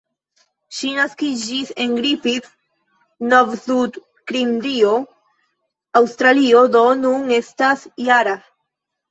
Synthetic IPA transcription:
ʃinaskid͡ʒiseŋɡɾifit | novsud | kɾind̪io | awst̪ɾaliod̪o̞nune̞stasjaɾa

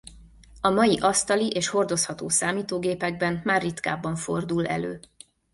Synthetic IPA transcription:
ɒmɒjiʔɒst̪ɒliʔeːʃho̞rd̪o̞shɒt̪o̰ːsaːmiːt̪oːɡeːpɛɡ̚bɛnmaːrːit̪ka̰ːbɒɱfo̞̰rd̪ulɛ̰lø̰ː

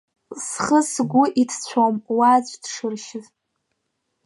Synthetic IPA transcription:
sχəsɡʷʊʔitʰt͡ɕʷʰomwazʷdʂɨrʃɪz

